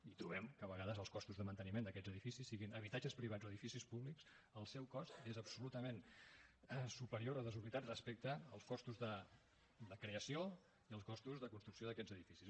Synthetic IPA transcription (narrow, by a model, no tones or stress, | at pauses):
it̪ɾuβ̞ɛmkəβəɣaðəzəlˠskɔst̪uzðəmənt̪ənimẽnd̪əkɛd͡zəðifisisːiɣinəβ̞it̪ad͡ʒəspɾiβ̞ad͡zoəðifisispuβliks | əlˠsɛwkɔst̪ezəpsulut̪əmen | ɛsupəɾioɾəðəzuβlit̪at̪rəspek̚t̪əːlˠskɔst̪uzðə | d̪əkɾeəsio | iəlˠskɔst̪uzðəkunst̪ɾuksioðəkɛd͡zəðifisis